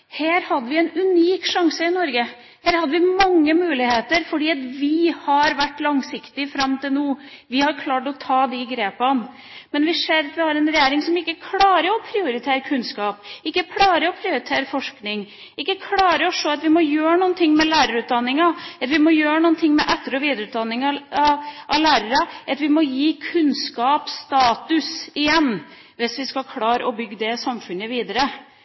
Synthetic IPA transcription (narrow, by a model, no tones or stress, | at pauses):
heːɾhɑd̪ːəʋɪɛnʉniːkʂɑŋsəɪnɔɾɡə | heːɾhɑd̪ːəʋɪmɑŋːəmʉːlɪheːt̪əɾfɔɖiːɑt̪ʋɪhɑɾʋæʈːlɑŋsɪkt̪ɪfɾɑmːt̪ɪlnuː | ʋɪhɑɾkʰlɑːʈɔt̪ʰɑːd̪ɪɡɾeːpən | mɛnʋɪseːɾɑt̪ʋɪhɑɾɛnɾɛjeːɾɪŋsɔmɪkːəkʰlɑːɾəɔpʰɾɪʊɾɪt̪ʰeːɾəkʰʉnskɑːpɪkːəkʰlɑːɾəɔpʰɾɪʊɾɪt̪ʰeːɾəfɔʂknɪŋ | ɪkːəkʰlɑːɾəɔʂoːɑt̪ʋɪmɔjøːɾənuːənt̪ʰɪŋːmɛlæːɾəɾʉːt̪̚d̪ɑnːɪŋɑɑt̪ʋɪmɔjøːɾənuːənt̪ʰɪŋːmɛ̰ʔɛt̪ːəɾɔʋiːd̪əɾʉːt̪̚d̪ɑnːɪŋɑ | ʔɑlæːɾəɾɑʔɑt̪ʋɪmɔjiːkʰʉnskɑːpst̪ɑːt̪ʉsɪjɛnː | ʋɪsʋɪskɑlkʰlɑːɾɔbʏɡːd̪ɛsɑmfʉnəʋiːd̪əɾə